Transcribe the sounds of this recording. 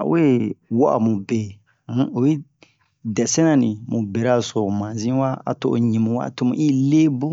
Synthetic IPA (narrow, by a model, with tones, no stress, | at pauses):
a̰˨we˦wa˦ʔa̰˨mũ˨bẽ˨˦ | o˨ji˦ | dɛ˨sɛ̃˦nã˦nĩ˨mũ˨be˨ɾa˦˨so˨mã˨zĩ˦wa˦a̰˨to˦˨o̰˨ɲĩ˨mũ˨wa̰˦˨to˦mũ˨ʔi˦le˦bu˦